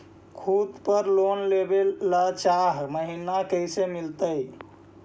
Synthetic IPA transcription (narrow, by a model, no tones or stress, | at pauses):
kʰud̪pəɾlonlebelːat͡ʃaɦməɦinakəjsemilt̪əj